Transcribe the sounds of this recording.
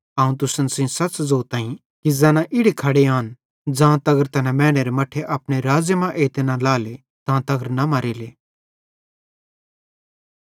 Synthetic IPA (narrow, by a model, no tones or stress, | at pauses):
aːũt̪̬ʊsənsɪ̃sɐt͡sd͡zoːt̪ãːĩ | kizɛːnãʔɪɽikʰɐɽeaːn | d͡zãːt̪ɐɡəɾt̪ɐnɛ̃mɛ̃ːɽ̃eɾemɐʈʰeʔɐpɽ̃eɾaːd͡zjəmãʔeːt̪enãlaːle | t̪ãːt̪ɐɡəɾnɐmɐɾeːleː